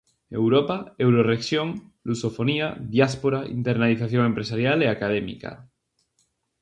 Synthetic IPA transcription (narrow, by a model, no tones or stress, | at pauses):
e̞wɾopaewɾoreksjoŋlusofo̞niaðjaspoɾaḭnt̪eɾnaliθaθjoŋempɾesaɾjaleakað̞emḭka̰